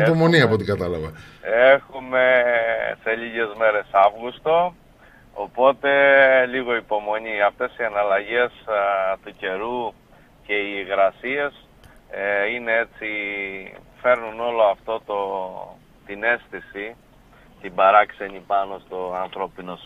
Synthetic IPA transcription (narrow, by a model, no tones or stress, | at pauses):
pomo̞niɐpo̞t̪ikɐt̪ɐlɐvɐe̞xume̞se̞ʎiʝe̞zme̞ɾe̞sɐvɣust̪o̞ | opo̞t̪e̞liɣo̞ipo̞mo̞ɲiɐft̪e̞siɐnɐlɐʝe̞st̪uce̞ɾu | ce̞iɣɾɐsie̞s | ine̞e̞t͡si | fe̞ɾnuno̞lo̞ɐft̪o̞t̪o̞ | t̪ine̞st̪isi | t̪ibɐɾɐkse̞ɲipɐno̞st̪o̞ɐnθɾo̞pino̞s